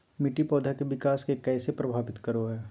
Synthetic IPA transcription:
mɪʈipɔːd̪ʱakeʋɪkaːskekɛːsepɾɐbʱaːʋɪt̪kɐɾoɦɛː

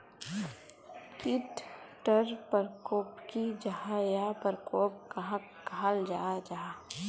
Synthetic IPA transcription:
kɪt̪ʈəɾpəɾkoːpkid͡ʒahajapəɾkoːp̚kɐɦã | kald͡ʒaːd͡ʒaː

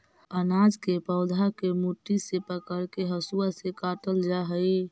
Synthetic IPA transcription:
ənad͡ʒkepəʊd̪ʱakemuʈːisepəkəɽkeɦəsuasekaːʈəld͡ʒaɦəi

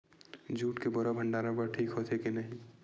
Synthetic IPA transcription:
d͡ʒʱuːʈkeboɾabʱə̃ɳɖaːɾãbɐʈʰiːkɦoːt̪ʰekenɐɦĩ

